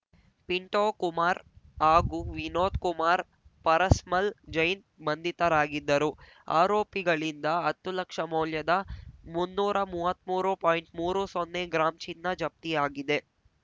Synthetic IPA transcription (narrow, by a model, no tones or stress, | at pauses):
piɳʈoːkumaːɾaːɡuʋinoːt̪kumaːɾ | pɐɾɐsmɐld͡ʒɐjn | bɐnd̪it̪ɐɾaːɡid̪ːɐɾu | a̰ːɾoːpiɡɐɭind̪ɐɦɐt̪ːulɐkʂɐmɐwljɐd̪ɐmunːuːɾɐmuːʋɐt̪muːɾupoːjiɳʈmuːɾusonːeɡɾaːmt͡ʃinːɐd͡ʒɐp̚t̪ijaːɡid̪e̞